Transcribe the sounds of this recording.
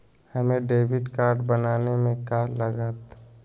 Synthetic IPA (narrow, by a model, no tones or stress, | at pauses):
həmẽɖeːʋɪɖkaːɾɖbənaːnemẽkaləɡət̪